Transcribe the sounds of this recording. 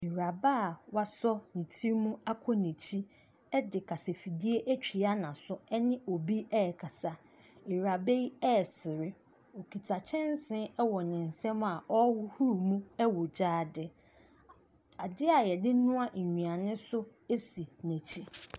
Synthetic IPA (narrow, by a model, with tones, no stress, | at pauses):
ɪ˨ɾa˨baː˦˨wa˦sɔ˦nĩ˨tʰi˦mũ˦a˦kʰɔ˦nɛ̃˨t͡ɕʰi˦ | ɛ˦dɪ˨kʰa˨se˨fi˨di˦e˦ʔæ˦t͡ɕᶣi˨a˦nã˨sʊ˦ɛ˦nɪ̃˦o˨bi˦ɛ˦˨kʰa˨sa˨ | ɪ˨ɾa˨be˦i˦ɛ˦˨sɪ˨ɾɪ˦ | ɔ˨kʰi˨tʰa˨t͡ɕʰɛ̃˦n˦sɪ̃˦ɛ˦wɔ˨nɪ̃˨n̩˨sɛ̃˦ma˨ʔɔ˦hʊ˦hu˦˨mũ˦ɛ˦wɔ˨d͡ʑaː˦˨dɪ˦ | a˨dɪ˦a˨jɛ˨dɪ˦nʊ̃˦a˦˨ɲᶣũ˨a˨nɪ̃˦sʊ˦ | e˦si˨næ̃˨t͡ɕʰi˦